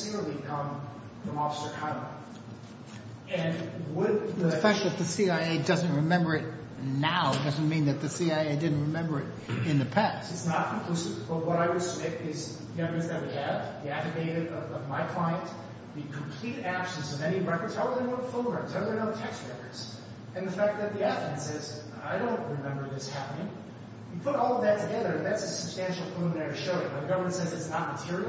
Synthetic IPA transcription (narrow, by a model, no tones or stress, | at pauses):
sɪɹəlˠikʰʌ̃m | fɹʌ̃mɑfə̥sə˞kʰɑ̃ə̰̃ | ɨ̃nwəd̪̚ðəpɛʃɨt̪̚ðɨsiaɪeɪdʌzɨ̃nt̚ɹɨmɛ̃mbə˞ɨt̚ | naʊdʌz̃n̩mĩnðɨt̪̚ðɨsiaɪeɪdɪdⁿn̩t̚ɹɨmɛ̃mbə˞ɨɾ | ɨ̃nðɨpʰæstɨtsnət̚k̩ʰkʰl̥ʉsɨvb̥ʌt̚wʌɾaɪwɨd̥sɪɾɪz | ðiɛ̃vmɨ̃sðɨt̚wiɨvðiæfɨɡeɪɾɨʌʌvmaɪkʰl̥aɪɨ̃nt | ðɨkʰm̩pʰl̥iɾæb̥sɨ̃n̩sʌvɛñiɹɛkə˞dz̥aɪwənõʊnfõʊ̃nɹɜ̃z̥aɪəɨnõntʰɛkst̚ɹɛkə˞dz̥ | ɨ̃nðɨfæk̪̚ðɨt̪̚ðiæθɨ̃nsɛz | aɪɾõʊ̃nʔ̚ɹɨmɛ̃mbə˞ðɪshæpənɪ̃ŋ | wipʰʊɾɔlˠʌvðɨtʰɨɡɛðə˞ɨ̃nðætsɨsɨb̥stæ̃nʃl̩ˠpʰlˠə̃nɛɹɨʃoʊɪ̃ŋə̃ðɨɡʌvə˞mɨ̃ntsɛzɨtsnət̚mətʰɪɹi